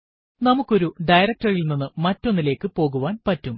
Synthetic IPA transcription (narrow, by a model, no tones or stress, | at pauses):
nɐmukːo̞ɾuɖɐjɾɐk̚tɐrilninːɨmɐtːo̞nːile̞ːkːɨpo̞ːɣuʋaːnpɐtːum